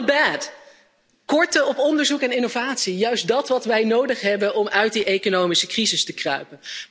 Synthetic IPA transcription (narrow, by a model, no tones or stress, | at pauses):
bɛt | kɔɹtəɔpɔndəɹzukɛnɪnovaːtsijœɥstdɑtʋɑtʋɛjnowdəχɦɛbənɔmœɥt̚diʔejkonowmisəkrizɪstəkrœ̰ɥpən